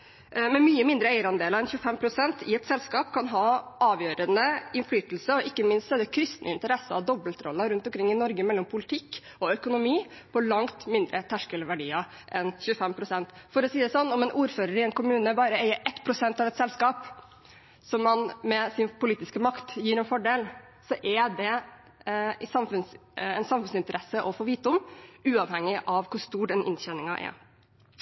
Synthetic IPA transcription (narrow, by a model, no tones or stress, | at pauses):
mɛmyːəmɪnd̪ɾəeɪəɾɑnd̪eːlɑɾɛnçʉəfɛmpʰɾʊsɛnt̪ʰɪɛt̪sɛlskɑːpkʰɑnɦɑɑːʋjøːɾənəɪnflyːt̪l̩səɔʔɪkːəmɪnst̪sɔɛd̪ɛkʰɾɪst̪nʔə̰ɪnt̪əɾɛsɑɔd̪ɔbəlt̪ɾɔ̰lːɑɾʉnt̪ɔmkʰɾɪŋːɪnɔɾɡəmɛlːɔmpʰʊlɪt̪ʰɪkː | ɔœkʊnʊmiː | pʰɔlɑŋt̪mɪnd̪ɾʔət̪ʰæʂkəlʋæɖiːɑ | ʔɛnçʉəfɛmpʰɾʊsɛnt̪fɔɾɔsiːd̪ɛsɔnːɔmɛnʔuːɾføːɾəɾɪɛnkʊmʉːnəbɑːɾəeɪəɾʔɛt̪ːpʰɾʊsɛnt̪ɑʋɛt̪sɛlskɑːp | sɔmːɑnmɛsɪnpʰʊliːt̪ɪskəmɑkt̪jiːɾɛnfɔɖeːl | sɔʔɛd̪ɛ | ɪsɑmfʉnsɛnsɑmfʉnsɪnt̪əɾʔɛsəʔɔfoːʋiːt̪̚ʊmʉːɑʋhɛŋːɪʔɑʋkʰʊʂt̪uːɖɛnʔɪ̰nɕɛnɪŋɑʔɛ̰